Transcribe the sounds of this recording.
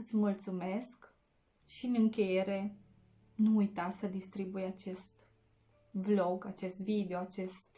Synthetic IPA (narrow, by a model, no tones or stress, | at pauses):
ɨt̪sʲmult̪sume̞sk | ʃiɨnɨŋkʲe̞je̞ɾe̞ | nuːjt̪asəd̪ist̪ɾibujat͡ʃe̞st̪ | vlo̞ɡat͡ʃe̞st̪vid̪eo̞at͡ʃe̞st̪